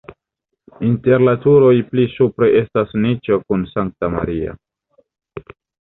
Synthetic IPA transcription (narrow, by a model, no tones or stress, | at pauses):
inte̞ɾlatuɾo̞jplisupɾe̞ʔe̞stasnit͡ʃo̞kunsaŋk̚tama̰ɾia̰